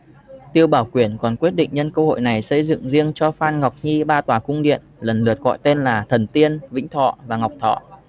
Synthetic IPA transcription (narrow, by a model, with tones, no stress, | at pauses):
t̪i˧əwɓaː˧˩wkwi˧˩ənkɔ˨˩nkwi˦˥ət̚ɗḭ˧˨ŋ̟ɲə˧nkəː˧ho̰˧˨jna˨˩jsə˧jzɨ̰˧˨ŋzi˧əŋt͡ɕɔ˧faː˧nŋa˨˩wk͡p̚ɲi˧ɓaː˧t̪waː˨˩kʊ˧ŋ͡mɗḭ˧˨ənlə˨˩nlɨ˨˩ət̚ɣɔ̰˧˨jt̪e˧nlaː˨˩t̪ʰə˨˩nt̪i˧ənvḭ̈˧˥ŋ̟t̪ʰɔ̰˧˨vaː˨˩ŋ˨˩wk͡p̚t̪ʰɔ̰˧˨